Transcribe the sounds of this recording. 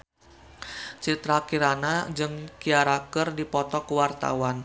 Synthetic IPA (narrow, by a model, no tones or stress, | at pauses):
t͡ʃit̪ɾakiɾanad͡ʒɨŋkiaɾakərdipɔt̪ɔkəwart̪a̰wan